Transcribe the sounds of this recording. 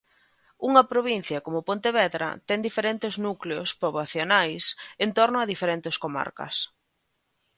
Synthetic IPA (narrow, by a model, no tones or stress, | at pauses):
uŋɐpɾoβin̟θjɐkomʊpont̪eβɛðɾɐ̰t̪ɛŋd̪ifeɾent̪ɪznukleospoβaθjonajsent̪oɾnʊɐðifeɾent̪ɪskoma̰ɾkɐ̰s